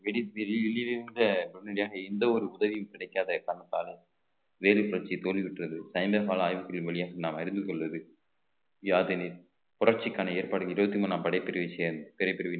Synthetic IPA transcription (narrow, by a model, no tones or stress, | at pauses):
ʋɛɽiʋɪliʋɪlilendɐbʊɽnɛɽɪjaːɣɐɛnd̪ɐɔɾɯʊðɐʋijɯmkɪɽɐɪkːaːðɐkɐnɐt̪ːaːlɐ | ʋeːlɛpʊɾɐɾt͡ʃit̪oːliʋɪʈːrɐðɯsɐɪmbepaːlɐaːjʋɯkːɐɭɯmʋɛɭɪjaːɣɐnaːmɐɾɪnd̪ɯkɔɭʋɐðɯ | jaːðɪni | pʊɾɐɾt͡ʃɪkːaːnɐeːɾpaːɽɯɐɪɾɯbɐt̪ːimuːnaːmpɐɽɐɪpːɛɾɯʋisɛːɾɐnd̪ɯpɪɾɐɪpːɪɾɪʋi